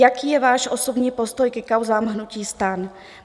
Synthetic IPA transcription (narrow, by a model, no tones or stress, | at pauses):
jakiːjɛvaːʃʔo̞so̞bɲiːpo̞st̪o̞jkɛkawzaːmɦnuciːst̪an